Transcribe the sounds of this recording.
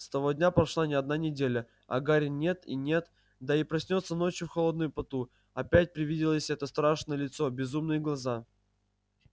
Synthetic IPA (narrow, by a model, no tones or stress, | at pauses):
st̪ɐvo̞dʲnʲapɾɐʂlˠanʲɪɐd̪nanʲɪdʲelʲə | ɐ̰ɡaɾʲɪnʲe̞t̪ḭnʲe̞t̪ | d̪aipɾɐsʲnʲo̞t̪səno̞t͡ɕjʊfxɐlˠo̞d̪nʊjʊpɐt̪u | ɐpʲæt̚ʲpɾʲɪvʲidʲɪlˠəsʲɛt̪əst̪ɾaʂnəjəlʲɪt̪so̞bʲɪzumnɨjəɡlˠɐza